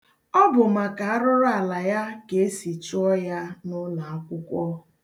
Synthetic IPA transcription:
ɔ˦bʊ˨ma˨ka˨a˦ɾʊ˦ɾʊ˦a˨la˨ja˦ke˨e˦si˨t͡ʃʊ˦ɔ˦ja˦nʊ˦la˨a˦kʷʊ˦kʷɔ˦

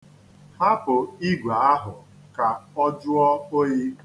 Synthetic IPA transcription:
ha˦pʊ˨i˦ɡʷa˨a˦ɦʊ˨ | ka˨ɔ˦d͡ʒʊ˦ɔ˦o˦ɲi˦

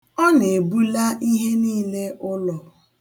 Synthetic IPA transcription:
ɔ˦ne˨bu˦la˦ʔi˦ɦe˦niː˦le˦ʔʊ˦lɔ˨

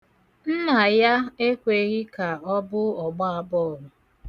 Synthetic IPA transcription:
n̩˦na˨ja˦e˦kʷe˨ɣi˦ka˨ɔ˦bʊ˦ɔ˨ɡ͡ba˦a˨bɔ˦˨ɾʊ˨

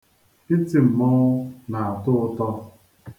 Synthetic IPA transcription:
i˦ti˨m̩˨mɔː˦na˨a˨tʊ˦ʊ˦tɔ˦

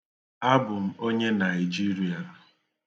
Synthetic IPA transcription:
a˦bʊ˨m̩˦o˦ɲe˦na˨ɪ˨d͡ʒi˦ɾi˦a˨

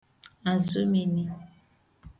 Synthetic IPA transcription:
a˨zu˦mi˨ni˨

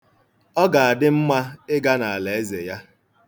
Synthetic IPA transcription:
ɔ˦ɡa˨a˨dɪ˦m̩˦ma˦ɪ˦ɡa˦na˨a˨le˨e˦ze˨ja˦

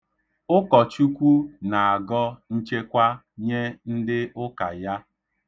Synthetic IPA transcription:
ʊ˦kɔ˨t͡ʃu˦kʷu˦na˨a˨ɡɔ˦n̩˦t͡ʃe˦kʷa˦ | ɲe˦n̩˦dɪ˦ʊ˦ka˨ja˦

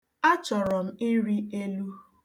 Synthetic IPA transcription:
a˦t͡ʃɔ˨ɾɔ˨m̩˦i˦ɾi˦e˦lu˦

